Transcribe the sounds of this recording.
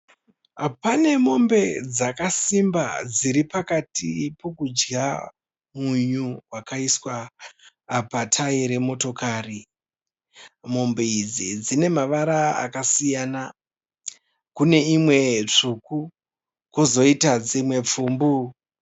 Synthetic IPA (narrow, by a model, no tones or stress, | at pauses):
pane̞mo̞mbe̞d͡zakasimba̰d͡ziɾipakatipo̞kud͡ʒɡa | muɲuwakaiswaː | patʰaiɾe̞mo̞to̞kaːri | mo̞mbeid͡zid͡zine̞maʋaɾaa̰kasijana | kune̞imwe̞t͡ʂuku | kozo̞itad͡zemwe̞p͡fuːmbu